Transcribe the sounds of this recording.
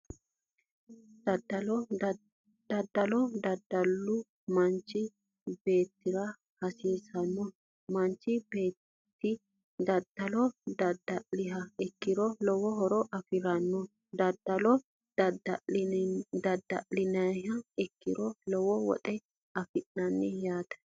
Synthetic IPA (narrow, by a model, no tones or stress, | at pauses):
d̪ɐd̪ɐɔ | d̪̥ɐd̪ːɐlɔd̪ɐd̪ːɐlːʊ | mɐnt͡ʃːɪ | be̞ːt̪ːɪɾɐ | hɐsiːsɐnːɔ | mɐnt͡ʃːɪbeː | t̪ːɪ | d̪ɐd̪̥ɐlɔd̪ɐd̪ɐɪɦɐɛkːɪɾɔlɔwɔhɔɾɔʔɐfɪɾɐnːɔ | d̪ɐd̪ːɐlɔ | dɐ | d̪ɐd̪ːɐɪnɐɦɐɛkːɪɾɔlɔwɔwɔ̰t̪ʼɛ | ɐfɪʔːɐnːɛjaːt̪ɐ̥